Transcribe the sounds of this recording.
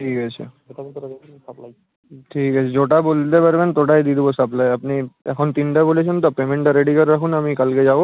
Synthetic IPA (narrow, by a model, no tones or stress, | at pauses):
ʈʰiːkɦat͡ɕʰḛ | pl | ʈʰiːkɦat͡ɕʰed͡ʑoʈabolt̪epəɾbent̪oʈajd̪id̪bosəplajəpniɛ̰kʰont̪inʈabolet͡ʃʰent̪ɔpemẽɳʈaɾeɖikəɾːakʰunamikalked͡ʑabo